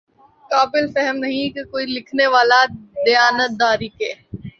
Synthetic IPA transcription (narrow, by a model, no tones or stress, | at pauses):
kaːbɪlfɛɦəmnɐɦĩkekoːilɪkʰneʋaːlad̪ɐjaːnət̪̚d̪aːɾiːkeː